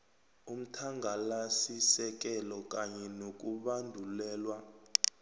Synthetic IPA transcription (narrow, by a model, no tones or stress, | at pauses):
um̩tʰaŋɡʱalasisɛk̬ʼɛlɔk̬ʼaɲɛnok̬ʼuɓandʱulɛːlwa